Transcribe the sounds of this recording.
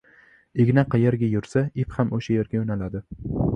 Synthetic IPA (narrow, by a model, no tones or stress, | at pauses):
eɡʲnaqʰɑjeɾɡʲajʊɾsaɪfhamoʃajeɾɡʲaonalad̪ɪ